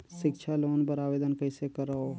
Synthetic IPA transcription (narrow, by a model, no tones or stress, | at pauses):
ʃɪkʃʰaloːnpəɾaːʋeːd̪ənkəɪsekəɾao